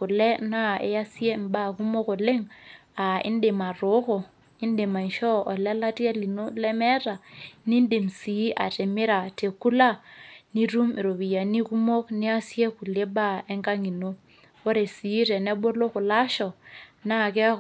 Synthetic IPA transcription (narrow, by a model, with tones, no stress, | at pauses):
ku˨lɛ˦na˦ḛ˦ja˦si˦e˦m̩˨˦ba˦˨ku˦mo˦ko˨le˦ŋ | a˨ḭ˦n˦de˨ma˨ɾo˦ko˨ | i˦n˦de˨ma˨n˨ʃɔ˦ɔ˨lɛ˦la˦ti˦a˦li˨no˦lɛ˦mɛ˦ta˨ni˦n˦de˨msi˨˦i˦ʔa̰˨te˨mi˦ɾa˨te˨ku˦la˦ni˦ɾu˦mi˨ɾo˨βi˨ja˨ni˦ku˦mo˦kni˦a˦si˦e˦ku˨le˦ba˦˨e˦ŋka˦ŋi˨no˦ | o˦ɾe˨si˨˦ɾɛ˨nɛ˦ɓo˦lo˦ku˨la˦ʃɔ˨na˦˨kɛ˦